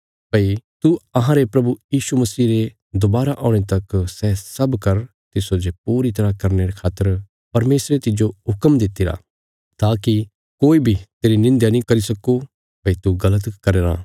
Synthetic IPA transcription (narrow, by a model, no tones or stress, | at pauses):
pɐit̪uɐɦãɾepɾɐbujiːʃumɐsiːɾe | d̪ʊbaːɾaʔɔ̃ːet̪ɐksɛsɐbkɐɾ | t̪ɪsod͡ʒepuːɾit̪ɐɾakɐɾneɾekʰaːt̪ːəɾ | pɐɾmeːsɾet̪ɪd͡ʒoɦʊkəmd̪ɪt̪ːiɾa̰ː | t̪aːki | koːibʱit̪eːɾinɪ̃nd̪janĩkɐɾisɐku | pɐit̪uɡɐlət̪kɐɾeːɾã̰ː